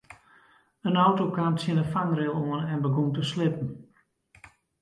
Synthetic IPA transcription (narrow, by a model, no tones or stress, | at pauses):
ənawtokaːmtsɪnəfaŋrɪlˠoənɛnbəɡumtəslɪpn̩